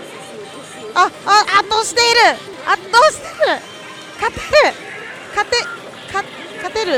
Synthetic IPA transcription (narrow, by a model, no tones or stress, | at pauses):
aaʔat̪ːoɕi̥t̪eɾɯ | at̪ːosi̥t̪eɾɯ | kat̪eɾɯ | kat̪e | kʰa | kat̪eɾɯ